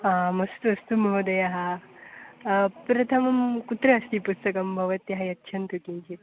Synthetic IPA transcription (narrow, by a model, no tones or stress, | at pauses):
ɦãmɐst̪uɐst̪umɐɦud̪ɐjaɦa | pɾɐt̪ʰɐmɐmkut̪ɾɐːst̪iːpust̪ɐkɐmbʱɐʋɐt̪jɐɦajɐt̪ːɕʰɐnt̪ukiɲt͡ɕi